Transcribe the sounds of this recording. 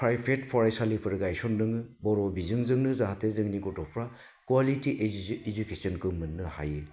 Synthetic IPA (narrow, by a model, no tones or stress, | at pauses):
pʰɾajpʰetpʰɔɾesalipʰɯɾɡajsɔndɯŋɯbɔɾɔbizɯŋzɯŋnɯzaɦatezɯŋniɡɔtɔpʰɾa | kualitiʔed͡ʒukesɔnkɯmɯnːɯha̰je